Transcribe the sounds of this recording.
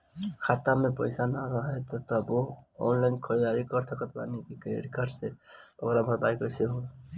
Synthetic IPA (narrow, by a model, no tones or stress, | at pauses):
kʰat̪amẽpəjsanaɾɔɦet̪ɔt̪ɔboɔ̰nlajnkʰɔɾid̪aɾikɔɾsʰəkət̪ba̰nikikɾḛɾikaɾseo̰kɾabʱaɾbajkɔjsʰeɦũ